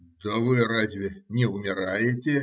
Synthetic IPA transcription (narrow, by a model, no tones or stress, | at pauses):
d̪əvɨrazʲvʲɪnʲɪʊmʲɪɾajɪtʲɪ